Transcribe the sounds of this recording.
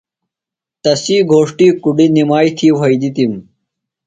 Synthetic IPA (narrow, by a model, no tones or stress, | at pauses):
t̪ɐsiːɡʱoːʂʈiːkuɽinimaːjt̪ʰiːʋɐjd̪it̪im